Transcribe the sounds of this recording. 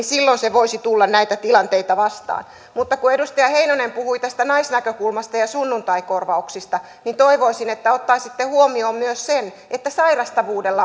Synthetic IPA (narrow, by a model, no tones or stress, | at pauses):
silːonseʋoisit̪ulːɑnnæit̪æt̪ilɑnt̪eit̪ɑʋɑst̪ɑ̰ːn | mut̪ːɑkuedust̪ɑjɑheinonempuhuit̪æst̪ænɑisnækøkulmɑst̪ɑjɑsunːunt̪ɑikorʋɑuksist̪ɑ | nint̪oiʋoisinet̪ːæot̪ːɑisit̪ːehuomioːmmyøssen | ʔet̪ːæsɑirɑst̪ɑʋuːdelːɑ